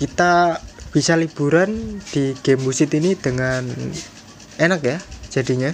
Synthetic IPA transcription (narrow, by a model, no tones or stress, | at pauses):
kit̪ab̥isalib̥uɾand̪̥iɡ̥ɛmːusɪt̪inid̪̥əŋan | enakjḁʒ̥a̤d̪iɲa